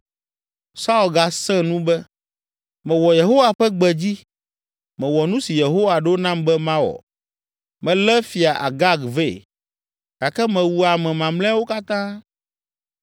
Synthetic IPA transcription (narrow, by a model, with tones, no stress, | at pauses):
sa˦u˦˨lɡa˨sɛ̃˦nũ˦bɛ˦ | mɛ̃˨wɔ˨je˨ɦo˦wa˨ɸɛ˦ɡ͡bɛ˨d͡ʑi˦ | mɛ̃˨wɔ˨nũ˦si˨je˨ɦo˦wa˨ɖɛ˦o˦nã˦mbɛ˦mã˦wɔ̰˨ | mɛ̃˨lɛ˦fi˨a˨ʔa̰˨ɡa˦ɡve˦˨ | ɡ̥a˨kɛ˦mɛ̃˨wu˨a˨mɛ̃˨mã˨mlɛ̃˦wo˦ka˦t̪ã˦